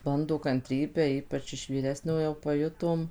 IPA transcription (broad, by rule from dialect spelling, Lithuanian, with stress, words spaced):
ˈbɐndoː kɐnʲˈtʲrʲiːbʲæː ˈiːpɐt͡ʃ ɪʃ ʋʲiːˈrʲæːsʲnʲoːjoː pɐˈjʊtoːm